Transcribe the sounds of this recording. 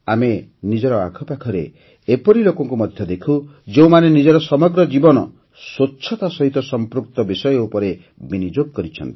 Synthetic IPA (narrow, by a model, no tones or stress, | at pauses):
amenid͡ʒɔɾɔa̰kʰɔpakʰɔɾe | epɔɾilokɔŋkumɔd̪ʱjɔd̪ekʰud͡ʒeumanenid͡ʒɔɾɔsɔmɔɡɾɔd͡ʒibɔnɔ̰ | sotːt͡ʃʰɔt̪asɔɦit̪ɔsɔmpɾuk̚t̪ɔbisɔjɔupɔɾe | binid͡ʒoɡkɔɾit͡ʃʰɔ̰nt̪i̥